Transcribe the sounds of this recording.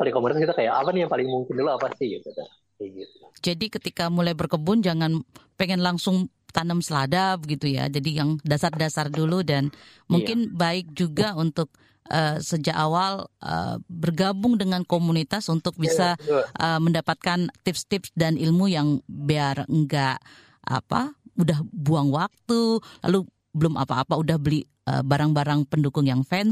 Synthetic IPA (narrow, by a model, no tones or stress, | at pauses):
palɪŋkomunit̪askit̪akajaʔa̰wanjaŋpalɪŋmuŋkɪnduluapasɪhɡit̪uda | ɡit̪ud͡ʒadikət̪ikamulajbərkəbʊnd͡ʒaŋanpeŋɛnlaŋsʊŋ | t̪anəmsəladabəɡit̪uja̰d͡ʒadijaŋdasardasarduludan | muŋkɪnbaɪk̚d͡ʒuɡaunt̪ʊk̚ | əsəd͡ʒaʔawalʔə̰bərɡabʊŋdəŋankomunit̪asunt̪ʊk̚bisaʔəməndapat̪̚kant̪ɪpst̪ɪpsdanilmujaŋbiarŋɡaʔ | ʔa̰pa̰udahbuaŋwak̚t̪ula̰lu | bəlʊmʔa̰paːpaudahbəli | ə̰baɾaŋbaɾaŋpəndukʊŋjaŋfɛn